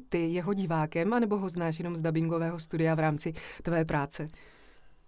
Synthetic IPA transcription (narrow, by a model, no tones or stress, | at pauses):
t̪ɪjɛɦo̞ɟɪvaːkɛmanɛbo̞ɦo̞znaːʃjɛno̞mzdabɪŋɡo̞vɛːɦo̞st̪udɪjavɾaːmt͡sɪt̪vɛːp̬ɾaːt͡sɛ